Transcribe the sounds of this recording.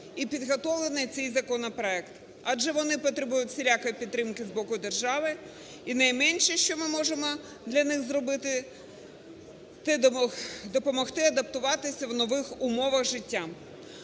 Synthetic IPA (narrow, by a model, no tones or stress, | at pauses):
ipʲid̪ɦɔt̪ɔʋlˠenɪjt̪sɛjzɐkɔnɔpɾɔɛkt̪ | ɑd͡ʒɛʋɔnɪpɔt̪ɾɪbujʊtʲsʲelʲakɔjpʲid̪ːɾɪmkɪzbɔkʊd̪erʒɑʋɪ | inɐjmɛnʲʃɛʃt͡ʃɔmɪmɔʒemɔ | d̪lʲɐnɪxzɾɔbɪt̪ɪ | t̪ɪ | d̪ɔpɔmɔxt̪ɪɐd̪ɐp̚t̪ʊʋɑt̪ɪsʲɐwnɔʋɪxʊmɔʋɐɣʒɪtʲːa